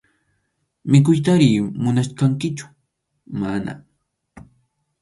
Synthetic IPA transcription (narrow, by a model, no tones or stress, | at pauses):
mɪk̬ʊjt̪aɾiːmʊnaʃkaŋkɪt͡ʃʊ̥ | mana̰